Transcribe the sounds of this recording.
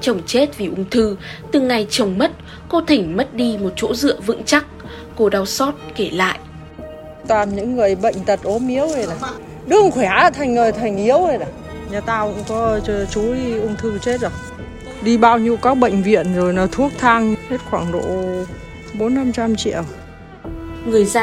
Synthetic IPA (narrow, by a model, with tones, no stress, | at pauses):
t͡ɕə˨˩wŋ͡mt͡ɕe˦˥t̚vi˨˩ʔʊ˧ŋ͡mt̪ʰɨ˧ | t̪ɨ˨˩ŋa˨˩jt͡ɕə˨˩wŋ͡mmə˦˥t̚ | ko˧t̪ʰï˧˩ŋ̟mə˦˥t̚ɗi˧mo˨˩t̚t͡ɕo̰˧˥zɨ̰˧˨əvɨ̰˧˥ŋt͡ɕa˦˥k̚ː | o˧ɗa˧wsɔ˦˥t̚ke˧˩la̰ː˧˨jʔ | t̪waː˨˩nɲɨ̰˧˥ŋːɨ˨˩əjɓə̰˧˨jŋ̟t̪ə˨˩t̚ʔo˨˦mʔi˨˦əwə˧˩naː˨˩ | ɗɨ˧˩əŋkwe˨˧˩haː˧˥˨t̪ʰa˨˩jŋ̟ŋəː˨˩jt̪ʰa˨˩jŋ̟ʔi˨˦əwə˧˩naː˨˩ | ɲaː˨˩t̪aː˧wkʊ̰˧˥ŋ͡mkɔ˨˦˧t͡ɕu˨˦i˧ʔu˧ŋ͡mt̪ʰɨ˧t͡ɕe˦˥t̚zə˨˩j | ɗi˧ɓaː˧wɲi˧ə˧wkaː˨˦k̚ɓə̰˧˨jŋ̟vḭ˧˨ənzo˨˩jnɔ˨˦t̪ʰu˦˥ək̚t̪ʰa˧ŋhe˦˥t̚xwaː˧˩ŋɗo̰˧˨ | ɓo˨˦nːa˧mt͡ɕa˧mt͡ɕḭ˧˨əw | ŋɨ˨˩əjza˧